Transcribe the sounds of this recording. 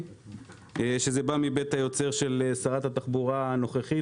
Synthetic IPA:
ʃe̞zebamibe̞t̪hajo̞t͡se̞ʁʃe̞lsaʁat̪hat̪aχbuʁaano̞χeχi

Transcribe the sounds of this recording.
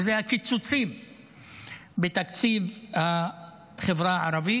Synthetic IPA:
zehakit͡sut͡sim | bet̪akt͡sivha | χevʁaaʕaɾavi

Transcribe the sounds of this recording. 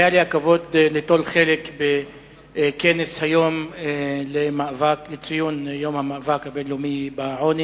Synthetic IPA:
jaliakavo̞d̪let̪olχelekbe | keneshajom | lemavaklet͡sijunjo̞mhamaʔːvakhabenlumibaʕoni

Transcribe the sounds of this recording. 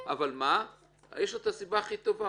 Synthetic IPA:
avalma | jeʃot̪asibaːχit̪o̞va

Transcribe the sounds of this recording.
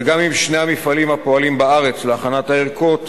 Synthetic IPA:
ɡamimʃnejhamifalimhapo̞alimbaaʁet͡sleaχanat̪aeʁkot̪

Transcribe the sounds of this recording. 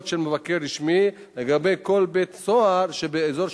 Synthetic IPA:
t̪ʃelmevakeʁːiʃmi | leɡabe̞jko̞lbet̪soaʁʃebeezo̞ʁ

